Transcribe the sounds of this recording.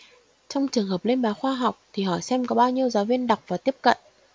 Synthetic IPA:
t͡ɕɔ˧wŋ͡mt͡ɕɨ˨˩əŋɦəː˨˩p̚le˧nɓaː˨˦xwaː˧ɦa˨˩wk͡p̚t̪ʰi˨˩ɦɔ̰˧˩˨jsɛ˧mkɔ˨˦ɓaː˧wɲi˧əwzaː˨˦wvi˧ənɗa˨˩k͡p̚vaː˨˩t̪i˦˥əp̚kə̰˧˨nʔ

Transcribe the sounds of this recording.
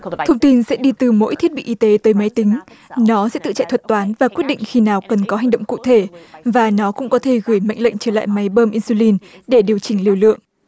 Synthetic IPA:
t̪ʰə˧wŋ͡mt̪i˧nsɛ̰˧˥ɗi˧t̪ɨ˨˩mo̰˧˥jt̪ʰi˦˥əɓḭ˧˨ʔi˧t̪e˨˦t̪əː˨˦jma˨˦jt̪ï˨˦ŋ̟ | nɔ˨˦sɛ̰˧˥t̪ɨ̰˧˨t͡ɕa̰˧˨jt̪ʰə˨˩t̚t̪waː˨˦nvaː˨˩kwi˦˥ət̚ɗḭ˧˨ŋ̟xi˧naː˨˩wkə˨˩nkɔ˨˦ɦa˨˩jŋ̟ɗə̰˧˨wŋ͡mkṵ˧˨t̪ʰe˧˩vaː˨˩nɔ˨˦kʊ̰˧˥ŋ͡mkɔ˨˦t̪ʰe˧˩ɣɨ˧˩əjma̰˧˨jŋ̟lə̰˧˨jŋ̟t͡ɕəː˧˩la̰ː˧˨jma˨˦jɓəː˧mʔi˧nsu˧li˧nɗe˧˩ɗi˨˩əwt͡ɕï˧˩ŋli˧˩əwlɨ̰˧˨əŋ

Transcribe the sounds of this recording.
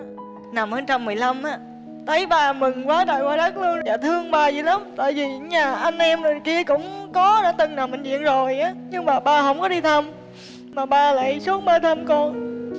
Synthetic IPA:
na˨˩mhəː˧˦nt͡ɕa˧mːɨ˨˩əjla˧mʔaː˨˦ | t̪ʰə˨˦jɓaː˧˨˩mɨ˨˩ŋkwaː˨˦ɗa̰ː˧˨jwaː˧˩ɗaː˦˥k̚lɨ˧əŋzaː˨˩t̪ʰɨ˧əŋɓaː˨˩zi˨˩la˨˦mt̪a̰ː˧˨jvi˨˩˨ɲaː˨˩ʔa˧jŋ̟ʔɛ˧mɗə˨˩ki˧˩əkʊ̰˧˥ŋ͡mkɔ˨˦ɗaː˧˥t̪ɨ˨˩ŋnaː˨˩wmï˨˩ŋ̟zḭ˧˨ənzo˨˩jʔaː˨˦ɲɨ˧ŋmaː˨˩ɓaː˧˩ɦə˧˥wŋ͡mkɔ˨˦ɗi˧t̪ʰə˧m | maː˨˩ɓaː˧la̰ː˧˨jsu˦˥ət̚məː˧t̪ʰə˧mkɔ˧n

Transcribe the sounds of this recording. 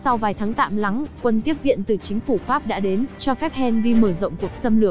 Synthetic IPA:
sa˧wvaː˨˩jt̪ʰaː˨˦ŋt̪a̰ː˧˨mla˨˦ŋkwə˧˩nt̪i˦˥əp̚vḭ˧˨ənt̪ɨ˨˩t͡ɕï˨˦ŋ̟fu˧˩faː˦˥p̚ɗa̰ː˧˥ɗe˨˦nt͡ɕɔ˧fɛ˦˥p̚hɛ˧nvi˧məː˧˩zə̰˧˨ŋ͡mku˨˩ək̚sə˧mlɨ˧˩ək̚

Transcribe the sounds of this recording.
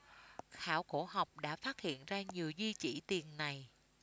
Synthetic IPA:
xaː˧˩˦wko˧˩ha˨˩wk͡p̚ɗa̰ː˧˥faː˦˥t̚hḭ˧˨ənzaː˧ɲi˨˩əwzwi˧t͡ɕi˧˩t̪i˨˩ənːa˨˩j

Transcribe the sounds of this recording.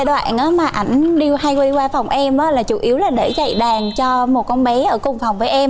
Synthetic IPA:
ɗwa̰ː˧˨nʔaː˨˦maː˨˩ʔa˧˩jŋ̟ɗi˧əha˧jkwi˧kwaː˧fɔ˨˩wŋ͡mʔɛ˧mʔa˨˦laː˨˩t͡ɕu˧˩ʔi˨˦əwlaː˨˩ɗe˧˩za̰˧˨jɗaː˨˩ŋt͡ɕɔ˧mo˨˩t̚kɔ˧nɓɛ˨˦ʔəː˧˩kʊ˧˩wŋ͡mfa˨˩wŋ͡mvəː˨˦jʔɛ˧m

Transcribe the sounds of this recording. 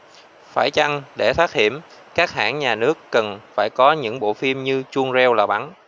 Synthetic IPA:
faː˧˩jt͡ɕa˧ŋɗe˧˩t̪ʰaː˦˥k̚hḭ˧˩əm | kaː˦˥k̚ha̰ː˧˩nɲaː˨˩nɨ˦˥əkːə˨˩nfaː˧˩jkɔ˨˦ɲɨ̰˧˥ŋɓo̰˧˨fi˧mɲɨ˧t͡ɕu˧əŋzɛ˧wlaː˨˩ɓa˨˦n

